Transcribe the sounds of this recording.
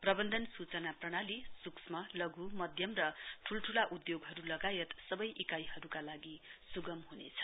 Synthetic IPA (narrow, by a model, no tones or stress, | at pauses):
prʌbʌnd̪ʱʌnsut͡sʌnaprʌɽ̃alisuksmʌlʌɡumʌd̪ʱjʌmrʌʈʰulʈʰulaʔud̪joɡɦʌɾulʌɡajet̪sʌbʌjʔikajɦʌɾukalaɡisuɡʌmɦunḛt͡sʰʌ̥